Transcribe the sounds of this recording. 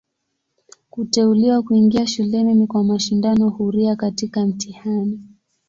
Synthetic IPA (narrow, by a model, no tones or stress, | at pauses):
kutɛuliwakuiŋɡiaʃulɛninikwamaʃindanɔhuɾiakatikam̩tihani